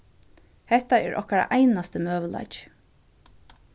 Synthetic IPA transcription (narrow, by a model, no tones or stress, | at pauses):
hɛht̪aɛːɹʔɔ̰hkaɾa̰ʔajnast̪əmœːʋəla̰jt͡ʃ